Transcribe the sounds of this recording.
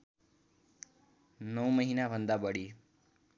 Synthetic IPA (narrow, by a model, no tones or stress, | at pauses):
nʌwməɦinabʱənd̪abəɽiː